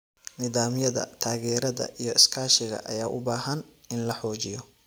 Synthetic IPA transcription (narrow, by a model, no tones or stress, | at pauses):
nɪðaːmjɐðɐ̰t̪ʰaːɣɛːɾɐðɐ̰ʔijɔɪskʰaːʃɪɣɐ̰ʔɐjaːʔʊbaːɦɐnɪnlɐħɔːt͡ʃɪjɔ